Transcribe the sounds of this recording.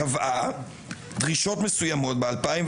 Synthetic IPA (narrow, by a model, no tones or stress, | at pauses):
avʔa | d̪ʁiʃo̞t̪me̞sujamo̞t̪̚bealpaim